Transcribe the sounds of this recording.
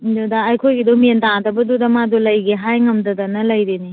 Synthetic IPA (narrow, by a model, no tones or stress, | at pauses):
dudaːjkʰojɡidɔmentadɐbɐdudɐmadulɐjɡeɦajŋɐmdɐdɐnɐlɐjɾeni